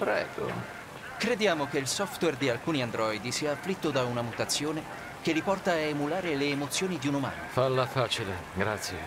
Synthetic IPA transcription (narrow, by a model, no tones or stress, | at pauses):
pɾɛ̰ːɡo̰ | kɾed̪jaːmokeilsɔft̪wɛrd̪ialkuːniand̪ɾɔid̪isiːaːflit̪ːod̪aunamut̪at̪sːjoːne | k̟elːipɔrt̪aːemulaːɾeleːmot̪sːjoːnid̪iunoma̰ːno̰falːafaːt͡ʃileɡɾat̪sːjḛ